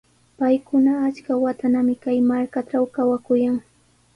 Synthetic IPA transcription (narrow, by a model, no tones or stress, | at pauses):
pajkʊnaːt͡ʃkawat̪anamɪkajmaɾkat͡ʃawkawakʊjaŋ